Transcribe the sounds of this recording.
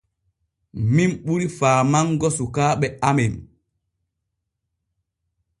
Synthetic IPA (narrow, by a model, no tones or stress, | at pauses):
minɓuɾifaːmaŋɡɔsukaːɓɛamɛn